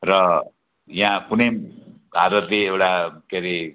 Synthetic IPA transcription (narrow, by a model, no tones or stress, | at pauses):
rʌ | jãkunebʱaɾʌt̪leewʈakeɾe